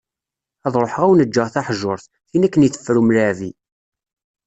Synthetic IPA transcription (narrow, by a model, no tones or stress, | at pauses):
æðˤɾˤoħʁæwnəd͡ʒːəʁθæħʒoɾˤθ | θinækːəniθə̥fːɾumlæʕvi